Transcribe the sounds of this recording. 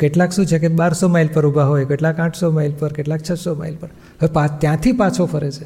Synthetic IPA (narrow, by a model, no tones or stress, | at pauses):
keʈlakʃũt͡ʃʰekeɓaɾsomajlpəɾubʱaɦojkeʈlakãʈʰsomajlpəɾkeʈlak̚t͡ʃʰəsoma̰jlpəɾ | əepãt̪jãt̪ʰipãt͡ʃʰofəɾet͡ʃʰe